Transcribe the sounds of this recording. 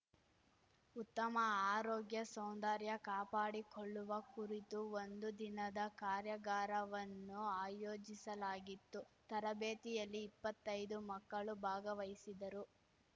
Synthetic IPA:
ut̪ːɐmɐaːɾoːɡjɐsownd̪aɾjɐkaːpaːɽikoɭːuʋɐkuɾit̪uond̪ud̪inɐd̪ɐkaːɾjɐɡaːɾɐʋɐnːuaːjoːd͡ʒisɐlaːɡit̪ːut̪ɐɾɐbeːt̪ijɐlːiːpːɐt̪ːɐjd̪umɐkːɐɭubʱaːɡɐʋɐjisid̪ɐɾu

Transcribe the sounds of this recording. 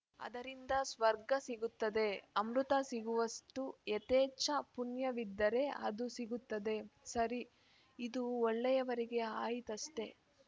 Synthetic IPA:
ɐ̰d̪ɐɾind̪ɐsʋɐɾɡɐsiɡut̪ːɐd̪e̞ɐmɾut̪ɐsiɡuʋɐsʈuet̪ɛːt͡ʃɐpunjɐʋid̪ːɐɾe̞ɐ̰d̪usiɡut̪ːɐd̪e̞sɐɾi | id̪uɔɭːɛjɐʋɐɾiɡe̞aːjit̪ɐʃte̞

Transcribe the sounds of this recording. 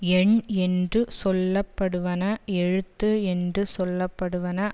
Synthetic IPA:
ɛɳɛndrɯsɔlːɐpːɐɽɯʋɐnɐɛɻɯt̪ːɯɛndrɯsɔlːɐpːɐɽɯʋɐnɐ

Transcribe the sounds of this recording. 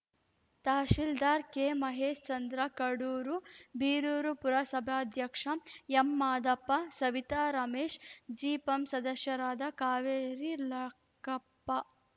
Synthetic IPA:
t̪aːʃild̪aːɾkeːmɐɦeːʃt͡ʃɐnd̪ɾɐkɐɽuːɾubiːɾuːɾupuɾasɐbʱaːd̪ʱjɐkʂɐmemːaːd̪ɐpːɐsɐʋit̪aːɾɐmeːʂd͡ʒiːpɐmsɐd̪ɐʃjɐɾaːd̪ɐkaːʋeːɾilɐ | kɐpːɐ

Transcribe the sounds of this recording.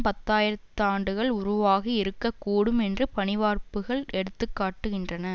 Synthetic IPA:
pɐt̪ːaːjɪɾɐt̪ːɯaːɳɖɯɣɐɭʊɾʊʋaːɣiɪɾɯkːɐkːuːɽɯmɛndrɯpɐnɪʋaːrpɯɣɐɭɛɽɯt̪ːɯkːaːʈːɯɣɪndrɐnɐ

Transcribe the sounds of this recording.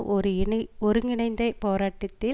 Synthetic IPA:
ʔɔɾɯɔɾɯŋɪɳɐɪnd̪ɐɪpoːɾaːʈːɐt̪ːɪ

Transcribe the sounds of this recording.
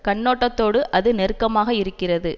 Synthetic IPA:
kɐɳːoːʈːɐt̪ːoːɽɯʔɐðɯnɛɾɯkːɐmaːɣɐɪɾɯkːɪrɐðɯ

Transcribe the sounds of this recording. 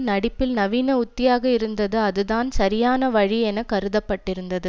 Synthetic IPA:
nɐɽɪpːɪlnɐʋiːnɐʊt̪ːɪjaːɣɐɪɾɯnd̪ɐðɯɐðɯðaːnsɐɾɪjaːnɐʋɐɻiɛnɐkːɐɾɯðɐpːɐʈːɪɾɯnd̪ɐðɯ

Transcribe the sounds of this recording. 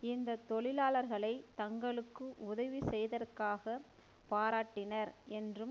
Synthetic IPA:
ɪnd̪ɐt̪ɔɭɪlaːɭɐɾɣɐɭɐɪt̪ɐŋɡɐɭɯkːɯʔʊðɐʋisɛjðɐrkaːɣɐ | paːɾaːʈːɪnɐɾɛndrɯm

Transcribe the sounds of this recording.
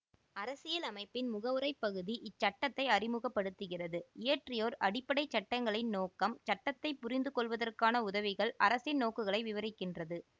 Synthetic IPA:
ɐɾɐsɪjɐlɐmɐɪpːɪnmʊɣɐʋɯɾɐɪpːɐɣɯðiʔɪt͡ʃːɐʈːɐt̪ːɐɪɐrɪmɯɣɐpːɐɽɯt̪ːɯɣɪrɐðɯɪjɐʈrɪjoːɾʔɐɽɪpːɐɽɐɪt͡ʃːɐʈːɐŋɡɐɭɐɪnnoːkɐmt͡ʃɐʈːɐt̪ːɐɪpːʊrɪnd̪ɯkɔɭʋɐðɐrkaːnɐʊðɐʋɪɣɐɭɐɾɐsɪnnoːkɯɣɐɭɐɪʋɪʋɐɾɪkːɪndrɐðɯ

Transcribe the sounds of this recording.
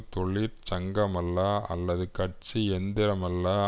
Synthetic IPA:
t̪ɔɭːiɾt͡ʃɐŋɡɐmɐlːaːɐ̰lːɐðɯkɐʈ̚t͡ʃiɛnd̪ɪɾɐmɐlːaː

